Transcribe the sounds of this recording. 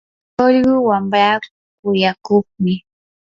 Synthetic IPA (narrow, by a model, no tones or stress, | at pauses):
oʎɢʊwambɾaːkʊkʊjakʊχmɪ